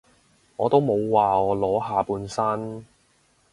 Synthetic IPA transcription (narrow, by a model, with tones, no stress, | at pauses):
ŋɔː˨˧t̪o˥wmo˨˧wːaː˨ɔː˨˧lɔː˨˥ɦaː˨˧puː˨˧nsɐ˥n